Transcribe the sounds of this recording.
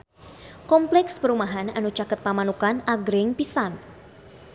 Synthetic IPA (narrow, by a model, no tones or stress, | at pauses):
kɔmplɛkspəɾumaɦananut͡ʃakət̪̚pamanukanaɡɾɪŋpisan